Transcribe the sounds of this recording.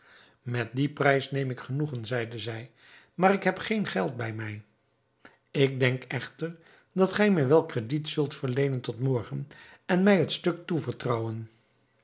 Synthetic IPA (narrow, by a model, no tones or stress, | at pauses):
mɛt̚diprɛjsnejmɪkχənuχənzɛjdəzɛj | maːɾɪkɦɛpχejnχɛlˠt̚bɛjmɛj | ɪɡ̚dɛŋkɛχtəɹ | dɑtχɛjmɛjʋɛlˠkrəditsɵlˠtfəɹlejnəntɔtmɔɹχənɛnmɛjɦətstɵk̚tuvəɹtrɑwən